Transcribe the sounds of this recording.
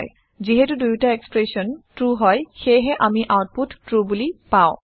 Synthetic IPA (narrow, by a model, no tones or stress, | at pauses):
j | ziɦɛtudujtaekspɹesɔntɹuɦɔjxejɦɛʔamiʔawt̚puttɹubulipaʊ̃